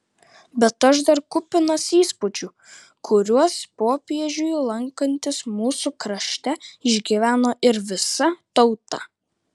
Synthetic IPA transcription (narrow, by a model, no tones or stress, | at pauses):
bʲɛt̪ɐʃd̪ɐɾkʊpʲɪnɐsiːspʊd͡ʒʲuː | kʰʊɾʲuɔspoːpʲiɛʒʲʊjlˠɐŋkɐnʲt̪ʲɪsmuːsukɾɐʃʲt̪ʲɛɪʒʲɡʲiːʋʲæːnoːʔɪɾʋʲɪsɐt̪ɒʊt̪ɐ